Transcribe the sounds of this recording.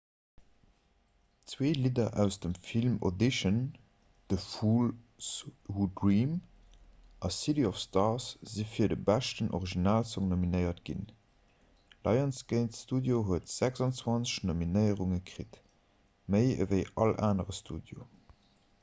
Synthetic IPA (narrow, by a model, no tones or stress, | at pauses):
t͡sweːlidɐʔæʊsd̥əmfilmo̰diʃən | d̥əfuːl | shudɹiːm | ʔɑsiɾiɔfstɑsz̥ifiːɐdəbæʃtənʔo̰ʁiʒinaːlsɔŋnominəɪɐtɡ̥ḭn | lɑɪɑnsɡ̥əɪnstuːdjoɦuətz̥æɡz̥ɑnt͡swɑnt͡səʃnominəɪəʁuŋəkʁit | məɪə̰vəɪʔɑlaːnəʁəstʰuːdjo̰